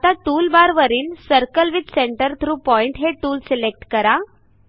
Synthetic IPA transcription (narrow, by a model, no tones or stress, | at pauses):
t̪aʈuːlbaɾʋəɾiːnsəɾkəlʋid̪seɳʈəɾt̪ʰɾuːpɔiɳʈɦeʈuːlselek̚ʈkəɾa